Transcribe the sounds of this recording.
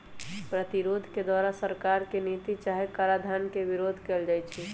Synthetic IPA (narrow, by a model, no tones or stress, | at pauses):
pɾət̪iɾoːd̪ʱked̪waːɾasəɾkaɾkenit̪it͡ʃaɦekaɾad̪ʱankeʋɪɾoːd̪ʱkeːld͡ʒaːt͡ʃʰi